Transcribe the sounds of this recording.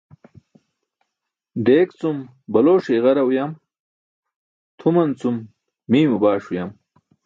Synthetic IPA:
ɖeːkt͡sum | bɐloːʂeʁɐɾɐwjɐm | t̪ʰumɐnt͡sumː | iːmubaːʂujɐm

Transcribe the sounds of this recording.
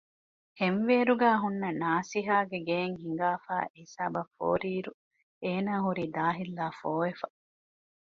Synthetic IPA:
henʋeːɾuɡaːɦunːɐnaːsiɦaːɡeɡeːŋhiŋ̆ɡaːfa̰ːʔisaːbɐfo̰ːɾiːɾu | eːnaːɦuɾiːd̪aːɦilːaːfoːefɐ

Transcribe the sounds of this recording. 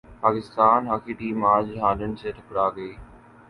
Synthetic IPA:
paːkɪst̪aːnɦakʰiːʈiːmaːd͡ʑɦãːlənɪ̆sʰeːʈ̪ʰɪkɽaːɡeː

